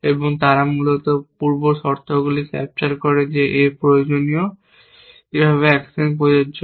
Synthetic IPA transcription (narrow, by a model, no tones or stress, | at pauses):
eboŋt̪aɾamulot̪opuɾboʃɔɾt̪ʰoɡulikɛ̰p̚t͡ɕaɾkɔɾed͡ʑeʔepɾojod͡ʑonio | ebʱaβeɛksinkood͡ʑo